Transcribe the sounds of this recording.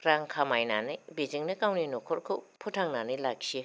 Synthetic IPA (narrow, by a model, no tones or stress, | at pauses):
kɾaŋkʰamajnanɯjbeziŋnɯkawninɔkʰɔɾkʰɯwpʰutʰaŋnanɯjlak̚ːʰie